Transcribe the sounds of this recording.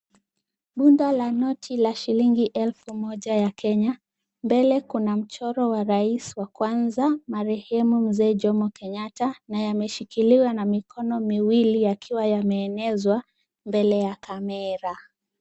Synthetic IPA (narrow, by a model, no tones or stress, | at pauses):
ɓundalanɔtʰilaʃiliŋɡiʔɛlfumɔʄajakʰɛɲa | mbɛlɛkunam̩t͡ʃɔɾɔwaɾaiswakwanzamaɾɛhɛmum̩zɛːʄɔmɔkɛɲatanajamɛʃikiliwanamikʰɔnɔmiwilijakʰiwajamɛːnɛzwa | mbɛlɛjakamɛɾa